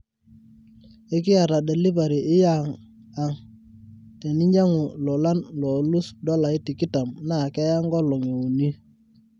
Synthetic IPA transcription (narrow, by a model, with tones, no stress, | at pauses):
ɪ˦k̬ɪ˦a˨ɾa˨de˨li˦ba˨ɾi˨ɪ˦ja˦˨ŋ | a˨ŋ | te˨ni˦ɲa˦ŋu˨lɔ˨la˦nlɔ˨lu˦sdɔ˦la˨ɪ˦ti˨kɪ˦ta˨mna˦˨kɛ˦ja˦ŋɡɔ˦lɔ˨ŋe˨wo˨ni˦